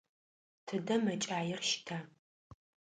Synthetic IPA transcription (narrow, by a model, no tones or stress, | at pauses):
tʰɨdɐmɐt͡ʃʼaːjɪrʃɪ̥tʰaː